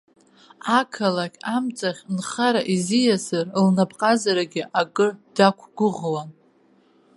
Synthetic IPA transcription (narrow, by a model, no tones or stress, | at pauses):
akʰalakʲamt͡sʼaχʲnχaɾaʔizijazɨrlnapʼqʼazaɾaɡʲɪʔaɡʼɨd̥akʷʰɡ̥ʷʊʁwan